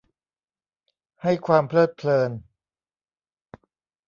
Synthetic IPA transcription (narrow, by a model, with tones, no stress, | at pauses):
ha˥˩jkʰwaː˧mpʰlɤː˥˩t̪̚pʰlɤː˧n